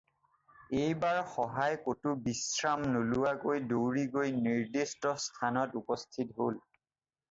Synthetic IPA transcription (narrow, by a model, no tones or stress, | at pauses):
ejbaɹxɔɦajkotubisɹamnolʊwaɡojdowɹiɡojniɹdistɔstʰanɔtupɔstʰitɦol